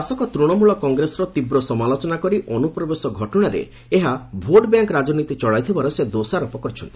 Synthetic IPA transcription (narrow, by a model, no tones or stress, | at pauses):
asɔkɔt̪ɾuɽ̃ɔmuɭɔkɔŋɡɾesɔɾɔt̪ibɾɔsɔmalot͡ʃɔnakɔɾiʔɔnupɾɔbesɔɡʱɔʈɔɽ̃aɾḛ | eɦabʱoɖbjaŋkɾad͡ʒɔnit̪it͡ʃɔɭajt̪ʰibaɾɔsed̪osaɾɔpɔkɔɾt͡ʃʰɔnt̪i̥